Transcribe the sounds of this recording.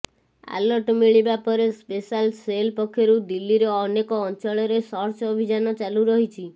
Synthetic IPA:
a̰lɔɾʈmiɭibapɔɾespesalselpɔkʰːjɔɾud̪ilːiɾɔːnekɔːnt͡ʃɔɭɔɾesɔɾt͡ʃɔbʱid͡ʒanɔt͡ʃaluɾɔɦit͡ʃʰi

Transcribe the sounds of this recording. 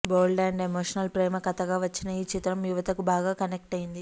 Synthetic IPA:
boːlɖaːɳɖemoːʂɐnɐlpɾeːmɐkɐt̪ɐɡaːʋɐt͡ʃːinɐiːt͡ʃit̪ɾɐmjuʋɐt̪ɐkubaːɡaːkɐnek̚ʈɐjind̪i

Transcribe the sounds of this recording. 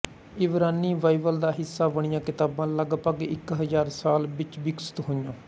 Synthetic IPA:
ɪʋɾaːniːʋaːɪʋəld̪aːɦɪsːaːʋəɽ̃ɪjãːkɪt̪aːbãːləɡpəɡɪ̰kɦəzaːɾsaːlbɪt͡ʃbɪksə̥t̪ɦoːɪjãː

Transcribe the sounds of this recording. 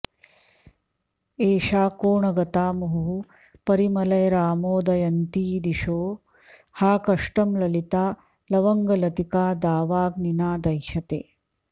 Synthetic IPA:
eːʃaːkoːɳɐɡɐt̪aːmɐɦuɦu | pɐɾimɐlɐjɐɾaːmoːd̪ɐjɐnt̪iːd̪iʃoː | haːkɐʂʈɐmlɐlit̪aː | lɐʋɐŋɡɐlɐt̪ikaːd̪aːʋaːɡninaːd̪ɐjʃɐt̪eː

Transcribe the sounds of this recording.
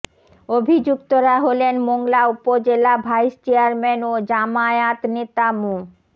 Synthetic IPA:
obʱid͡ʑukt̪oɾaɦolenmoŋlaupod͡ʑelabʱajst͡ɕeaɾmenod͡ʑamaeat̪net̪amu

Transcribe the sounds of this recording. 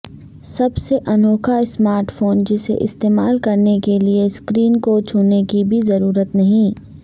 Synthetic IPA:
sɐbseʔɐnoːkʰaɪsmaːɾʈfoːnd͡ʒɪsḛʔɪ̰st̪eːmaːlkɐɾnekelieskɾiːnkot͡ʃʰʊːnekibʱizɐɾuːɾət̪nɐɦĩː

